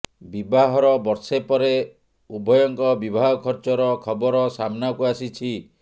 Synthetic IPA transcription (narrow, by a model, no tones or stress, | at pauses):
bibʱaɦɔɾɔbɔɾsepɔɾe | ubʱɔjɔŋkɔbibʱaɦɔkʰɔɾt͡ʃɔɾɔkʰɔbɔɾɔsamnakuasit͡ʃʰi